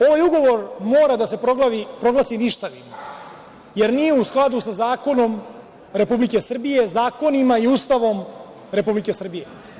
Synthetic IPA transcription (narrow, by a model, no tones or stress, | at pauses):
o̞ʋajuɡo̞ʋo̞ɾmoːɾad̪ase̞poɡlaipɾo̞ɡlasiniʃt̪aʋim | jeɾnijeusklˠad̪usazaːko̞no̞m | ɾe̞publike̞sr̩bije̞zaːko̞nimaiuːst̪aʋo̞m | ɾe̞publike̞sr̩bije